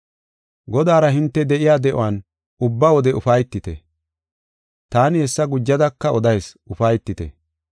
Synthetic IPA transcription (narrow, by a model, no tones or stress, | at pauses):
ɡɔd̪aːɾɐɦɪnt̪ːɛd̪ɛʔɪjaːd̪ɛʔʊ̰waːn | ʊbːawɔd̪ɛʊfɐjt̪ːɪt̪ɛ̰ | t̪aːnɪhɛsːɐɡʊd͡ʒːɐd̪ɐkːɐɔd̪ɐjs | ʊfɐjt̪ːɪt̪ɛ̰